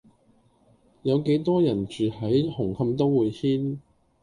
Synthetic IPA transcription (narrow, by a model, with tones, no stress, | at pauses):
jɐ˨˧wke˨˥jt̪ɔː˥jɐ˨˩nt͡ʃyː˨hɐ˨˥jhʊ˨˩ŋkʰɐ˧mt̪̬o˥wːuː˨˧jhiː˥n